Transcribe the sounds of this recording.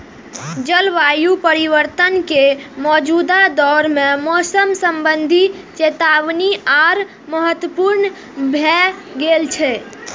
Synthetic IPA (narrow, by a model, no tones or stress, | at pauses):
d͡ʒəlʋajupəɾiʋəɾt̪ənkemɔd͡ʒud̪ad̪ɔɾmemɔsəmsəmbənd̪ʱit͡ʃet̪aʋniaɾ | məɦət̪wəpuɾn | bʱɛɡelt͡ʃʰɛ